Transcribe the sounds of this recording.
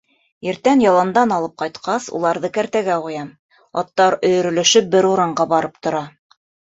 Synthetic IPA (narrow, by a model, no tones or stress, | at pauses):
ɘ̆ɾt̪ænjɑlˠɑnd̪ɑnɑlˠɤp̚qɑjt̪qɑsṵlˠɑɾðɤkæɾt̪æɡæqujɑm | ɑ̰t̪ːɑɾɵ̆jɵ̆ɾɵ̆lɵ̆ʃɵp̚bɘɾuɾɑɴɢɑbɑɾɤp̚t̪ŏɾɑ